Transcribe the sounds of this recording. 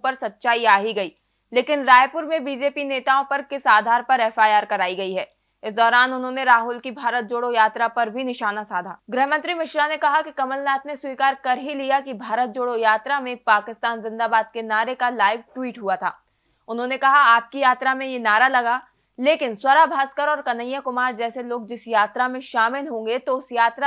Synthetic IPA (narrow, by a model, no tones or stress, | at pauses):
pɐɾsɐt̪ːʃaːiaːɦiɡɐiː | leːkɪnɾaːjpʊɾmẽbiːd͡ʒeːpineːt̪aːõpɐɾkɪsaːd̪ʱaːɾpɐɾɛːfaːjaːɾkɐɾaːiɡɐiɦɛː | ɪsd̪ɔːɾaːnʊnɦõːneɾaːɦʊlkibʱaːɾət̪̚d͡ʒoːɽojaːt̪ɾapɐɾbʱinɪʃaːnasaːd̪ʱaːɡɾɪɦmɐ̃nt̪ɾimɪʃɾanekɐɦakikɐməlnaːt̪neswiːkaːɾkɐɾɦilijakibʱaːɾət̪̚d͡ʒoːɽojaːt̪ɾamẽpaːkɪst̪aːnzɪ̃nd̪aːbaːd̪̚kenaːɾekalaːɪʋʈwiːʈɦuat̪ʰa̰ː | ʊnɦõnekɐɦaaːp̚kijaːt̪ɾamẽjenaːɾalɐɡaː | leːkɪnswɐɾabʱaːskəɾɔːɾkɐnəjːəkʊmaːɾd͡ʒɛːseloːɡ̚d͡ʒɪsjaːt̪ɾamẽʃaːmɪlɦõːŋɡet̪oʊsjaːt̪ɾa